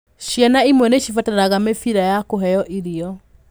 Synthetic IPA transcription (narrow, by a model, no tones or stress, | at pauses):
ɕjanaimwɛneɕifataɾaɣamefiɾajakoɦɛjɔʔiɾiɔ